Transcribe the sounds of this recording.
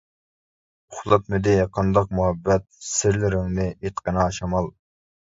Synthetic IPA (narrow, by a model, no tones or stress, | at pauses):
ʊχlˠɑt̪̚mɪd̪ɪqʰɑnd̪ɑq̚muɦɛbːɛt̪̚sɪɾlɪɾɪŋnɪet̪qənɨɑʃɑmɑlˠ